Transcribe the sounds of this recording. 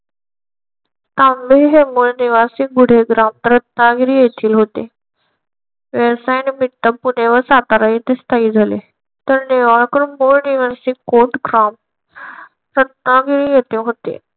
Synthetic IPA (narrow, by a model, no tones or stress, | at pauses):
t̪ãmbeɦemuɭniʋasiɡuɽ̤eɡɾamt̪ɾət̪̚naɡiɾijet̪ʰiːlɦot̪e | ʋeɾsajnmit̪ːəpuneʋəsat̪aɾait̪est̪aid͡zʱale | t̪əɾneʋaɭkəɾumoɭniʋəɾsikoʈkɾam | ɾət̪̚naɡiɾijet̪ẽɦot̪ḛ